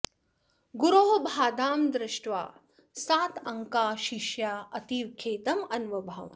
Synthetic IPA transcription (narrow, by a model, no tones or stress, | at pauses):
ɡuɾoːɦobʱaːd̪aːmd̪ɾɪʃʈʋa̰ː | saːt̪ɐŋkaːʃiʃjaːɐt̪iʋkʰeːt̪ɐmɐnʋɐbʱɐʋ